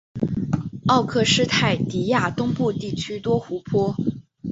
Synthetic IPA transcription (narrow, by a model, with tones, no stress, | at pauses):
ɑ˥˧ʊkʰɤ˥˩ʂɻ̩˥t̪ʰa˥˩ɪt̪i˧˥ja˥˩t̪ʊ˥ŋpu˥˧t̪i˥˩t͡ɕʰy˥t̪wɔ˥xu˧˥pʰwɔ˥